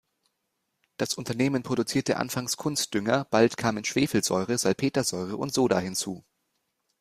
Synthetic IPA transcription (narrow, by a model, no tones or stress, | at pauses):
d̥asʔʊntɐneːmənpʁ̥oɾut͡siːɐtə̰ʔa̰nfaŋskʰʊnst̚d̥ʏŋɐb̥altkʰaːmənʃv̥eːfl̩z̥ɔ̰ʏʁ̞əz̥alpʰeːtɐzɔʏʁ̞əʔʊ̰ntz̥oːɾahɪnt͡suː